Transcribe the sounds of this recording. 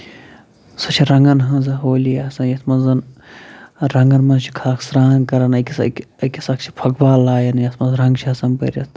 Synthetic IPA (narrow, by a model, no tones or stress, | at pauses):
sɐt͡ʃʰiɾɐŋɡɐnɦɐ̃ːzɐɦoːlijaːsɐ̃njɐt̪ʰmɐnzɐn | ɾɐŋɡɐnmɐnt͡ʃʰi̥kʰaːkʰsɾaːnkɐɾɐnɐkʲisɐkʲisɐkt͡ʃʰi̥pʰɐkbaːlaːjɐnjɐt̪mɐnzɾɐŋɡt͡ʃʰiɐsɐnpɐ̰ɾʲɐt̪